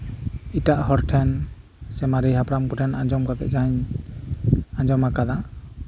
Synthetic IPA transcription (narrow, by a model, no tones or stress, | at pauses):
itaʔhɔɾʈʰɛnsɛmaɾiɦapɾamkɔʈʰɛnaɲd͡ʒɔmkat̪ɛ̰ʔd͡ʒaɲ | aɲd͡ʒɔmakad̪a